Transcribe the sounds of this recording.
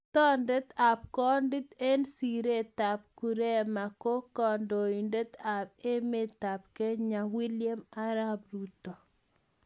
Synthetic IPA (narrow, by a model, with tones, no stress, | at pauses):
tɔ˦nde˦t̪a˨p̚kɔ˦ndi˦t̪e˦nsi˨ɾe˦ta˨p̚ku˨ɾe˦ma˨ko˦kɔ˨ndo˨i˨nde˦t̪a˨p̚e˦me˦t̪a˨p̚ke˦ɲa˨wi˦lɪje˦ma˦ɾa˦bɾu˦to˨